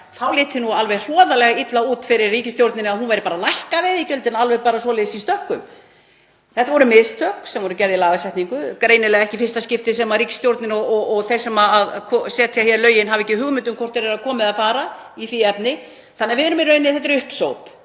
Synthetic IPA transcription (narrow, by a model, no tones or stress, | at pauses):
θawlɪːt̪ɪnualvɛjr̥ɔːðalɛɣait̪lauːt̪fɪɾɪrːiːcɪst̪jowɾt̪nɪnaðɦunvajɾɪpaːɾalajhkavɪðicœlt̪ɪnalvɛjɣpaːɾasvɔːlɛːðsist̪œhkʏm | θɛt̪avɔɾʏmɪðst̪ʰœksɛmvɔɾʏcɛɾðɪilaːɣasɛht̪niŋkʏkɾejnɪlɛɣaɛhcɪfɪ̥rst̪ascɪft̪ɪs̬ɛmarɾiːcɪ̥st̪jowɾt̪nɪnɔɔɔɣθejɾsɛmaaðkʰɔsɛːt̪ʰjahjɛɾlœːɥjɪnɦavɛhcːɪɦʏɣmʏnt̪̬ʏmkʰɔr̥t̪ɛɾɛɾakʰɔːmɪðaðfaːɾaiθiɛpnɪ | θanːɛːɾvɪðɛɾʏmɪrœːɥnːɪθɛht̪̬ːɪɾʏhpsowp